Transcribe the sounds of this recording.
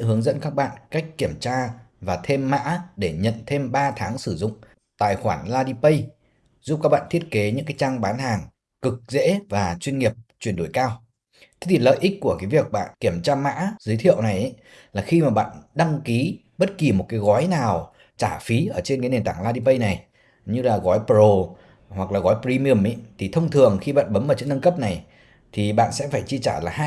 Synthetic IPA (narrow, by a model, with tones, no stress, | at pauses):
ɦɨ˨˦əŋzə̰˧˥nkaː˦˥k̚ɓa̰ː˧˨nka˦˥jk̟̚kːi˧˩əmt͡ɕaː˧vaː˨˩t̪ʰe˧mːa̰ː˧˥ɗe˧˩ɲə̰˧˨nt̪ʰe˧mɓaː˧t̪ʰaː˨˦ŋsɨ˧˩zʊ̰˧˨ŋ͡m | t̪a̰ː˧˨jxwaː˧˩nlaː˧ɗi˧pə˧j | zu˦˥p̚kaː˦˥k̚ɓa̰ː˧˨nt̪ʰi˦˥ət̚ke˨˦ɲɨ̰˧˥ŋkaː˨˦jt͡ɕaː˧ŋɓaː˨˦nhaː˨˩ŋ | kɨ˨˩k̚zḛ˧˥vaː˨˩t͡ɕwi˧ənŋi˨˩əp̚t͡ɕwi˧˩ənɗo̰˧˩jkaː˧w | t̪ʰe˨˦˥t̪ʰi˨˩lə̰ː˧˨jʔï˦˥k̚ku˧˩əkaː˨˦jvi˨˩ək̚ɓa̰ː˧˨nki˧˩əmt͡ɕaː˧ma̰ː˧˥zəː˨˦t̪ʰi˧˨əwna˨˩jʔ | laː˨˩xi˧maː˨˩ɓa̰ː˧˨nɗa˧ŋki˨˦ | ɓə˦˥t̚ki˨˩mo˨˩t̚kaː˨˦jɣɔ˨˦jnaː˨˩w | t͡ɕaː˧˩fi˨˦ʔəː˧˩t͡ɕe˧nkaː˨˦ne˨˩nt̪aː˧˩ŋlaː˧ɗi˧pə˧jna˨˩j | ɲɨ˧laː˨˩ɣɔ˨˦jpo˧˩ | hwa˨˩k̚laː˨˩ɣɔ˨˦jpːi˧mi˧ə˧˩mʔi˨˦t̪ʰi˨˩t̪ʰə˧wŋ͡mt̪ʰɨ˨˩əŋxi˧ɓa̰ː˧˨nɓə˨˦mʔəː˧˩t͡ɕɨ̰˧˥ŋnə˧nkə˦˥p̚na˨˩j | t̪ʰi˨˩ɓa̰ː˧˨nsɛ̰˧˥faː˧˩jt͡ɕi˧t͡ɕaː˧˩laː˨˩ɦa˧